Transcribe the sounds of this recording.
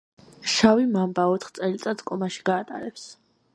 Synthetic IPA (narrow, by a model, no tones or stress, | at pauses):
ʃavimambaɔt̪ʰχt̪sʼɛlit̪sʼat̪skʼɔmaʃi̥ɡaːt̪ʼa̰ɾɛps